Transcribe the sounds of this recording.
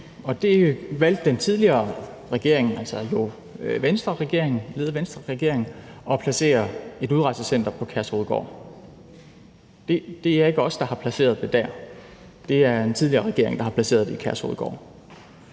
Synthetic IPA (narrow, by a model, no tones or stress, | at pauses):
ɒ̽d̥e̝ʋæl̰d̥ːent͡sʰið̞ˠliɐː | ʁɛɡ̥e̝ɐ̰eŋn̩ælsɒjo̝ | ʋensd̥ʁɐʁɛɡ̥e̝ɐ̰eŋn̩le̝ð̩ˠʋensd̥ʁɐʁɛɡ̥e̝ɐ̰e̝ŋn̩ɒ̽pʰlæse̝̰ːɐe̝d̥uð̞ˠʁɑ̈ɪsəsen̰d̥ɐpʰɒ̽kʰæɐsho̝ːðˠɡ̥ɒ̰ː | d̥e̝d̥e̝æɐe̝ɡ̥əɒ̽sd̥ɑ̈hɑ̈pʰlæse̝̰ːɐð̞ˠd̥e̝d̥æɐ̰ | d̥e̝æɐ̥ent͡sʰið̞ˠliɐːʁɛɡ̥e̝ɐ̰e̝ŋd̥ɑ̈hɑ̈pʰlæse̝̰ːɐð̞ˠd̥eikʰæɐsho̝ːð̞̩ˠɡ̥ɒ̰ː